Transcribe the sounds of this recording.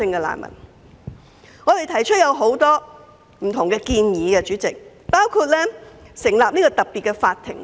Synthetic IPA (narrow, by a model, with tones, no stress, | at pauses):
ɪ˧ŋkɛ˧la̰ː˨nmɐ̰˨˩n | ŋɔ˨˧t̪e˨jt̪ʰɐ˨˩jt͡ʃʰɵ˥t̚jɐ˨˧wɦo˨˥wt̪ɔː˥ | m̩˨˩t̪ʰʊ˨˩ŋkɛː˧kiː˧njiː˨˧kɛ˧t͡ʃyː˨˥t͡sɪ˨k̚paː˥wkʰuː˧t̚lɛː˥sɪ˨˩ŋlaː˨p̚niː˥kɔ˧t̪ɐ˨˩k̚pi˨t̚kɛ˧faː˧t̪ʰːɪ̰˨˩ŋ